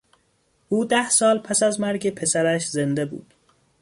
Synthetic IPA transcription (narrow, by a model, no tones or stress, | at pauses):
ʔuːd̪æhsɒːlpʰæsæzmæɾɟepʰe̞sæɾæʃzend̪ebṵːd̪̥